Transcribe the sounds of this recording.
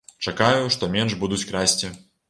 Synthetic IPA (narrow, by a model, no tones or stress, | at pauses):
t͡ʂakajuʂt̪ɔmʲɛnʐbud̪ut͡sʲkɾasʲt͡sʲi